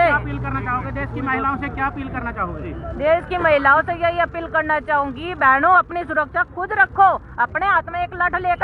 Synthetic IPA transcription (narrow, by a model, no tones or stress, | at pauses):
eɐpiːlkɐɾnat͡ʃaːɦoːɡed̪eːskimɐɦɪlaõsekjaɐpiːlkɐɾnat͡ʃaːɦoɡeid̪eːskimɐɦɪlaːõsejɐɦiɐpiːlkɐɾnat͡ʃaːɦõːɡibɛːɽ̃õɐpnisʊɾəkʃakʰʊd̪ɾɐkʰo | ɐpneaːt̪mãeːklɐʈʰleːkə